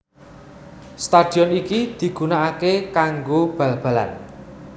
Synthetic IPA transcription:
st̪ad̪̥i̤ɔnikid̪̥i̤ɡ̥unaakekaŋɡob̥ä̤lb̥ä̤la̰n

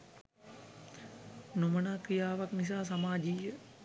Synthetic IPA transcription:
numənaːkɾijaːʋaknis̬aːsamaːd͡ʒijə

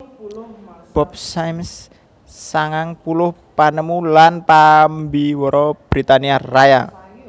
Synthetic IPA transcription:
b̥ɔp̚sajmsː | aŋaŋpulʊh | panəmulanpambiwɔɾɔb̥ɾit̪aniaraja̰

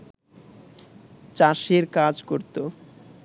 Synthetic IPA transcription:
t͡ɕaʃeɾkad͡ʑkoɾt̪o

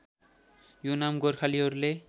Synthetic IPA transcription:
jonamɡorkʰaliɦʌɾule

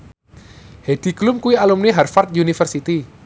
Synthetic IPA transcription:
hed̥i̤klʊmkuwialumniɦarfart̪̚iunifərsit̪i

